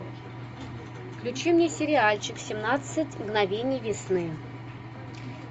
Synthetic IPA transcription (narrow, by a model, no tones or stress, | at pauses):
fklʲʉt͡ɕimnʲesʲɪɾʲɪalʲt͡ɕɪksʲɪmnat̪sɨtʲmɡnɐvʲenʲɪjvʲɪsnɨ